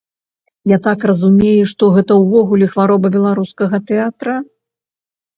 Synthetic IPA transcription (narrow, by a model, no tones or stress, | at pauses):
jat̪akrɐzumʲejuʂt̪ɔɣɛt̪ɐwvɔɣulʲɛxvaɾɔbɐbʲɛlˠaɾuskɐɣɐt̪ɛat̪ɾɐ